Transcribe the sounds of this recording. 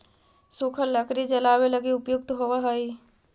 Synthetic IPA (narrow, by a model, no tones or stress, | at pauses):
sukʰəlːəkɾid͡ʒəlaːweləɡiʊpjʊk̚t̪ɦowaɦəi